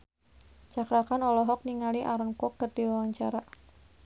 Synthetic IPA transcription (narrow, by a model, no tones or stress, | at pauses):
t͡ʃakɾakanɔlɔɦɔk̚niŋaliʔaɾənkɔk̚d̥ard̥iwawaɲt͡ʃaɾa